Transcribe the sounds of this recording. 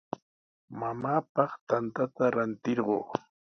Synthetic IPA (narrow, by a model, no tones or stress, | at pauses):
mamaːpɑχt̪ant̪at̪aɾant̪ɪɾɢo̰ː